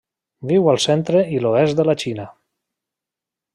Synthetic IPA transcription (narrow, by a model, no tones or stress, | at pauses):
biwalˠsent̪ɾeiloɛsd̪əlat͡ʃina